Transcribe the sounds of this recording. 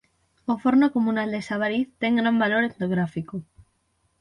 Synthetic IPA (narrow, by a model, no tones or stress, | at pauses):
ofoɾnokomunald̪esaβaɾiθt̪eŋɡɾambaloɾep̚noɣɾafiko